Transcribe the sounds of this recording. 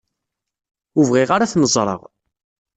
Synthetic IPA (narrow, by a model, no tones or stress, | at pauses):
uvʁiʁaɾaθnəzˤɾˤə̰ʁ